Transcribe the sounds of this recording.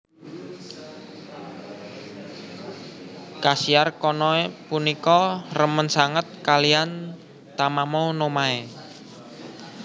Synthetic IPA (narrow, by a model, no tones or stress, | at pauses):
kasiarkɔnɔepunikɔrəmənsaŋət̪̚kalian | t̪amamɔnomae